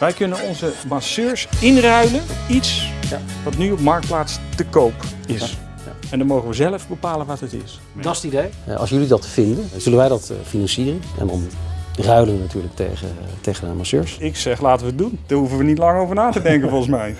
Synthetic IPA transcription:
ʋɛjkɵnənɔnzəmasøːɹsɪnrœɥlənitsʋɑtnyɔpmɑɹk̚t̚plaːtstəkowpɪs | ɛndɑmowχənʋəzɛləfbəpaːlənʋɑtɦətɪ̰s | dsdidejɑ̰lˠsjɵlidɑtfɪndənz̥ɵlənʋɛjdɑtfinɑnsiːrənɛ̰ndɑ̰nrœɥlənʋənatyːɹlək̚tḛətejχədəa̰masø̰ːɹsɪksɛχlaːtəʋəət̚dund̥aːɹɦufənʋənitlɑŋowvəɹnaːtədɛŋkənvɔlˠχəs̬mɛj

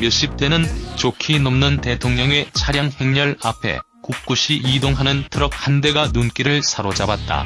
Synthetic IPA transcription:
mjʌɕ͈ip̚t͈e̞nɯnt͡ɕokʰinʌmnɯnte̞tʰoŋɲʌŋe̞t͡ɕʰaɾjaŋhe̞ŋɲʌɭapʰe̞̰ | kuk̚k͈uɕʰiʔidoŋɦanɯntʰɯɾʌk̚hande̞ɡanunk͈iɾɯɭsʰaɾod͡ʑabat̚t͈a̰

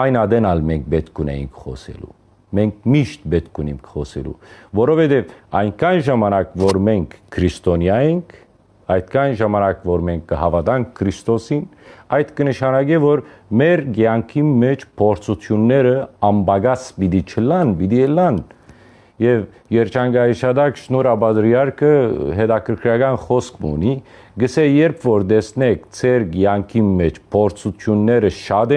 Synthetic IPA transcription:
ɑjnɑd̪ɛnɑlmɛŋk̚ʰbɛt̪kʰunɛ̰jḭŋkʰχɔ̰sɛ̰lṵ | mɛŋk̚ʰmiʃt̪̚bɛt̪kʰuniŋkʰχɔsɛ̰lṵvɔɾɔvɛd̪ɛvɑjŋkʰɑnʒɑmɑnɑkvɔɾmɛŋkʰːɾist̪ɔnjɑjɛŋkʰ | ɑjt̪kʰɑjnʒɑmɑnɑkvɔɾmɛŋk̚ʰɡəhɑvɑd̪ɑŋkʰːəɾist̪ɔsinɑjt̪kənəʃɑnɑɡɛvɔɾmɛɾɡjɑŋkʰinmɛt͡ʃʰpʰɔɾt͡sʰut̪ʰjunːɛɾəɑmbɑɡɑt͡sbid̪it͡ʃʰəlɑnbid̪iəlɑn | jɛv | jɛɾt͡ʃʰɑŋɡɑjiʃɑd̪ɑkʃnɔɾɑbɑd̪ɾjɑɾkʰəɦɛd̪ɑkʰəɾkʰɾjɑɡɑnχɔskmṵni | ɡəsɛjɛɾpʰvɔɾd̪ɛsnɛkʰt͡sʰɛɾɡjɑŋkʰinmɛt͡ʃʰpʰɔɾt͡sʰut̪ʰjunːɛɾəʃɑd̪ɛ

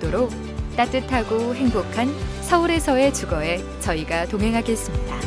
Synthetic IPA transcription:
t͈oɾok̚ | t͈at͈ɯtʰaɡoɦe̞ŋbokʰansʰʌuɾe̞sʰʌe̞t͡ɕuɡʌe̞ | t͡ɕʌiɡatoŋɦe̞ŋɦaɡes͈ɯmɲida

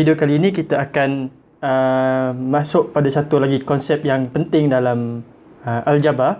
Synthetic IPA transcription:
idʊkaliːnĩkit̪aakan | ə | mãsʊʔ̚padasat̪ulaɡikɔnsɛp̚jaŋpənt̪ɪŋdalam | əʔald͡ʒaba

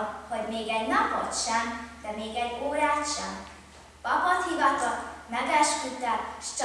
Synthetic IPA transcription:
hoɟmeːɡɛɟnɒpot̪ʃɛmd̪̥ɛmeːɡɛɟoːɾaːt̪ʃɛm | pɒpot̪hivɒt̪ɒmɛɡɛʃkyt̪ɛʃt͡ʃ

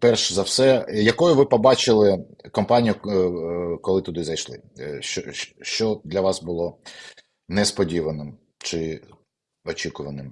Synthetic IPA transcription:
pɛrʃɛzɐwsɛjɐkɔjʊʋɪpɔbɑt͡ʃɪlˠɪ | kɔmpɑnʲijʊ | kɔlˠɪt̪ʊd̪ɪzɐjʃlˠɪ̰ɔʃt͡ʃɔd̪lʲɐʋɑsbʊlˠɔ | nɛspɔdʲiʋɐnɪm | t͡ʃɪ | ɔt͡ʃʲikʊʋɐnɪm

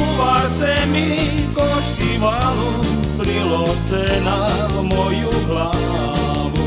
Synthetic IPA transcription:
uʋaɾt͡sɛmi | kɔʃkimalu | pɾilɔ | sɛna | mɔjuɦla | ʋu

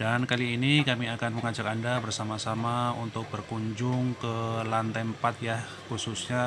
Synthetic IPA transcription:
dankaliːnikamiakanməŋad͡ʒakandabərsamasamaunt̪ʊk̚b̥ərkuɲd͡ʒʊŋkəlant̪ɛmpat̪̚ja | hususɲa

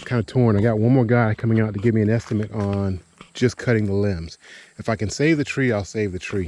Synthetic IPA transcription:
kʰãɪ̃ndətʰɔɹ̃naɪɡɑt̚wʌ̃nmɔɹɡaɪkʰʌmɪ̃ŋaʊtɨɡɪvmiɨ̃nɛstɨmɨɾn̩ | d͡ʒʌskʰʌɾɪ̃ŋðəlɪ̃mz̥ɨfaɪkɨ̃nseɪvðɨtʰɹ̥iaɪlˠseɪvðɨtʰɹ̥i

